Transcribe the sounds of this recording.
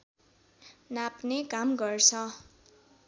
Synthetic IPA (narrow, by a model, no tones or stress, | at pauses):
napnekamɡʌrt͡sʰʌ